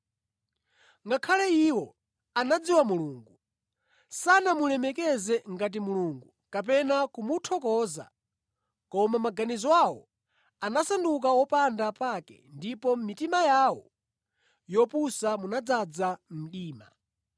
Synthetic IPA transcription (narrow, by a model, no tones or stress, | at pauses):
ŋɡakʰalɛiwɔ | anad͡ziwamuluːŋɡu | sanamulɛmɛkɛzɛŋɡat̬imuluːŋɡu | kap̬ɛnakumutʰɔkɔza̰ | kɔmamaɡanizɔwawɔ̰ | anasanduk̬awɔpandapakɛ̰ndipɔmitimajawɔ̰ | jɔpusamunad͡zad͡zam̩ɗiːma̰